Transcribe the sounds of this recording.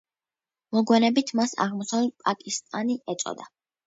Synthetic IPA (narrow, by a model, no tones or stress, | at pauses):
mɔɡwɛnɛbit̪ʰmasa̰ʁmɔsavɛt̪̚pʼakʼist̪ʼaniɛt̪sʼɔ̰d̪a